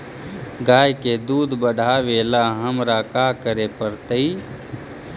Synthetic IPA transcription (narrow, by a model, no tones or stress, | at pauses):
ɡaːjked̪uːd̪bəɖʱaʋeːlaɦəmɾakakəɾepəɾt̪əi